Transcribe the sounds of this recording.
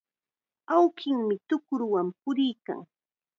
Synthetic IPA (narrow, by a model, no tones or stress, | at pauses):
awkɪŋmɪt̪ʊkʊɾwampʊɾɪjka̰ŋ